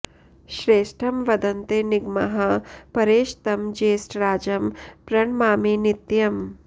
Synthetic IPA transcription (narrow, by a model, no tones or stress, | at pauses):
ʃɾeːʃʈʰɐmʋɐd̪ɐnt̪eniɡmɐɦɐpɐɾeːʃt̪ɐmd͡ʒeːsʈɾaːd͡ʒɐmpɾɐɳmaːminit̪jɐm